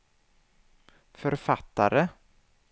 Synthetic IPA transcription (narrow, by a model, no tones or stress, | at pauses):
fœɾfat̪ːa̰ɾə